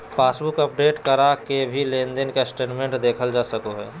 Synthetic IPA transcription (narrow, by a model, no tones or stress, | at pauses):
pʰaːsbʊkəpɖeːʈkəɾakebʱilẽːnd̪enkesʈeːnmẽɳʈd̪eːkʰəld͡ʒaːsəkoɦɛː